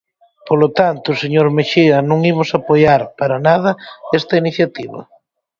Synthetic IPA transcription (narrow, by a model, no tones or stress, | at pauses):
polot̪ant̪ʊseɲoɾmeʃiɐnõŋimʊsapojaɾpaɾanað̞ɐest̪ɐiniθjat̪iβɐ̰